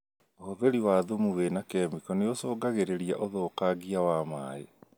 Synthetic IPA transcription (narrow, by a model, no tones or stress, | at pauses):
oðeɾiwaðomuwenakɛmikɔneosoːɡaɣeɾeɾiaʔoðoːkaɣiawamaːe